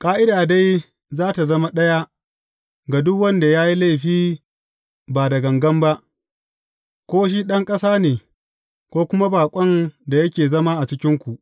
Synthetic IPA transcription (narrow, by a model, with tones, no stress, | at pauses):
kʼaː˦ʔɪ˦daː˨da˦j | zaː˦ta˨zɐ˦ma˦ɗɐ˦ja˦ | ɡa˨dʊ˦kwɐ˦nda˨jaː˦ji˦la˦jɸiː˦ | baː˨dɐ˨ɡɐ˨ŋɡɐ˦mba˦ʔ | kʷoː˦ʃ̬i˦ɗɐ˦ŋkʼɐ˦saː˦neː˨ | kʷoː˦kʷʊ˦ma˦baː˨kʷʼɐ˦nda˨jɐ˦kʲeː˨zɐ˦ma˦ʔa˨t͡ʃɪ˦kʲɪ˦ŋkʷu˨ʔ